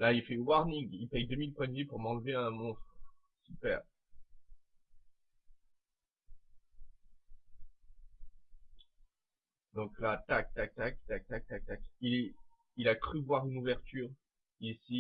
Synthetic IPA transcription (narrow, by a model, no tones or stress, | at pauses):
lailfɛwaʁniŋɡilpɛjd̪əmilpwɛ̃d̪vipuʁmɑ̃lveɛ̃mɔ̃st̪χ | sypɛ̰ːʁ | d̪ɔ̃klat̪ak̚t̪ak̚t̪ak̚t̪ak̚t̪ak̚t̪ak̚t̪akilɛ | ilakχyvwaʁynuvɛʁt̪yːʁ | isi